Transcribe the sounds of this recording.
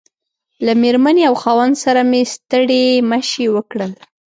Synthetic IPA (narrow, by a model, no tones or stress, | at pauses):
lameɾmaneawxɑwand̪saɾamest̪əɽeməʃewəkɽəl